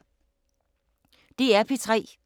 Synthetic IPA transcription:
d̥e̝æɐpʰet͡sʰʁɛ̰ː

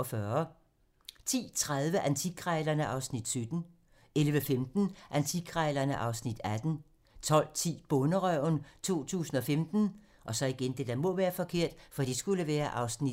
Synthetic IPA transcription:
fɶɐ | t͡sʰḭːt͡sʰʁaðˠʋəʔænt͡sʰiɡʰʁɑɪlɐnəʔɑ̈ʊsnid̥sød̥n̩ | elʋəfemd̥n̩ʔænt͡sʰikʰʁɑɪlɐnəʔɑ̈ʊsnid̥æd̥n̩ | t͡sʰɒ̽l̰t͡sʰḭːb̥ɔ̽nəʁœʊnt͡sʰo̝̰ːt͡sʰṵːsn̩ɒ̽femd̥n̩ | ʔɒ̽sɒ̽iɡ̥end̥ed̥æmɔ̽ʋæːɐfɒ̽kʰe̝ɐ̰d̥fɒ̽d̥isɡ̥uləʋæːɐʔɑ̈ʊsni

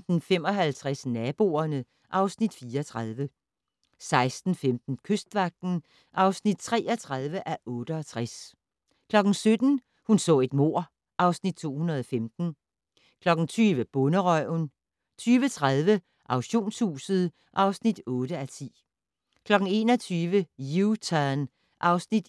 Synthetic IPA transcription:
d̥n̩femɒ̽ɦælt͡sʰʁasnɛb̥o̝̰ɐnə | ʔɑ̈ʊsnid̥fiːɐɒt͡sʰʁað̞ˠʋə | sɑ̈ɪsd̥n̩femd̥n̩kʰøsd̥ʋɑ̈ɡ̥̚d̥n̩ | ʔɑ̈ʊsnid̥̚t͡sʰʁɛ̰ːɒt͡sʰʁað̞ˠʋəʔæʔɔ̽ːɾ̥əɒ̽t͡sʰʁas | kʰlɒ̽ɡ̥n̩sød̥n̩ | hunsɔ̰̽ːe̝d̥mo̝ɐ̰ | ʔɑ̈ʊsnid̥̚t͡sʰo̝̰ːhunɐð̞ˠɒ̽femd̥n̩ | kʰlɒ̽ɡ̥n̩t͡sʰyːʋəb̥ɔ̽nəʁœʊn | t͡sʰyːʋət͡sʰʁað̞ˠʋə | ʔɑ̈ʊɕo̝̰ːnshṵːsəð̞̩ˠ | ʔɑ̈ʊsnid̥ɔ̽ːɾ̥əæt͡sʰḭː | kʰlɒ̽ɡ̥ŋ̩e̝ːnɒt͡sʰyːʋəjut͡sʰæn | ʔɑ̈ʊsnid̥

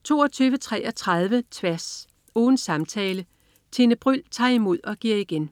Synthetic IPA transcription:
t͡sʰo̝̰ːɒt͡sʰyːʊʋət͡sʰʁɛ̰ʔɒ̽t͡sʰʁɑð̞ˠʋət͡sʰʋæɐs | ɔːn̩sɑ̈mt͡sʰɛːlə | t͡sʰe̝nəb̥ʁyl̰t͡sʰɑ̰̈ːimo̝ð̞̰ˠɒ̽ɡ̥iɐ̰iɡ̥en

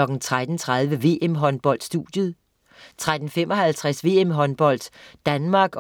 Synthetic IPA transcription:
ɒ̽ɡ̥n̩t͡sʰʁad̥n̩t͡sʰʁað̞ˠʋəʋe̝̰ːemɦɒ̽nb̥ɒ̽l̰d̥sd̥ud̥jəð̞̩ˠ | t͡sʰʁad̥n̩fem̰ɒ̽hælt͡sʰʁæsʋe̝emɦɒ̽nb̥ɒ̽l̰d̥d̥ænmɑ̈ːɡ̥

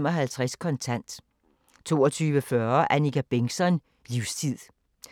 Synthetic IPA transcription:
mɒ̽ɦælt͡sʰʁaskʰɒ̽nt͡sʰæn̰d̥ | t͡sʰo̝̰ːɒt͡sʰyːʋəfɶɐʔænikæb̥eŋsɒn | liʊst͡sʰið̰ˠ

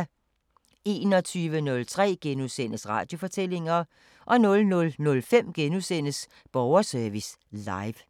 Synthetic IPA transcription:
e̝̰ːnɒ̽t͡sʰyːʋənɔ̽lt͡sʰʁɛ̰ːɡ̥enusen̰əsʁɑ̈ːd̥jo̝fɒ̽t͡sʰel̰e̝ŋɐ | ʔɒ̽nɔ̽lnɔ̽lnɔ̽lfem̰ɡ̥enusen̰əs | b̥ɒʊɐsœɐʋis | lɑ̈ɪʋ

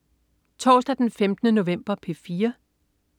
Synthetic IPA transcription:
t͡sʰɒ̰ːsd̥æd̥enfemd̥ənəno̝ʋem̰b̥ɐpʰe̝fiːɐ

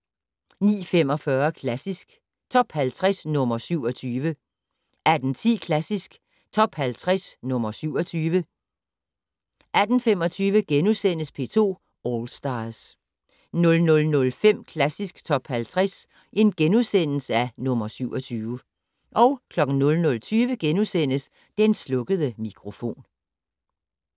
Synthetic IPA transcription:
nḭːfem̰ɒ̽fɶːɐkʰlæsisɡ̥ | t͡sʰɒ̽b̥hælt͡sʰʁɛsnɔ̽mɐsyʊ̰ɒ̽t͡sʰyːʋə | ʔæd̥n̩t͡sʰḭːkʰlæsisɡ̥ | t͡sʰɒ̽b̥hælt͡sʰʁasnɔ̽mɐsyʊ̰ɒ̽t͡sʰyːʋə | ʔæd̥n̩fem̰ɒ̽t͡sʰyːʋəɡ̥enusen̰əspʰe̝̰ːt͡sʰo̝̰ː | ɒːlsd̥ɑ̈s | nɔ̽lnɔ̽lnɔ̽lfem̰kʰlæsisɡ̥t͡sʰɒ̽b̥hælt͡sʰʁɛs | ʔe̝nɡ̥enusen̰l̩səænɔ̽mɐsyʊɒ̽t͡sʰyːʋə | ʔɒ̽ʊkʰlɒ̽ɡ̥n̩nɔ̽lnɔ̽lt͡sʰyːʋəɡ̥enusen̰əs | d̥enslɔ̽ɡ̥əðˠəmikʰʁo̝fo̝̰ːn

